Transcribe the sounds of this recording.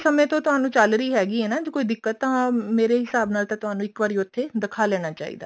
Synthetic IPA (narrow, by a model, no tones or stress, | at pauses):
səmẽːt̪õːt̪ʊɦãːnũːt͡ʃəlɾəiːɦɛːɡiːɦɛːnaːd͡ʒoːkoːiːd̪ɪkːət̪ːəɦãːmeːɾeːɦɪsaːbnaːlt̪ãːt̪ʊɦaːnũːɪkʋaːɾij̃ʊt̪ʰːeːd̪ɪkʰaːlɛːñaːt͡ʃa̰ːḭːd̪a̰ː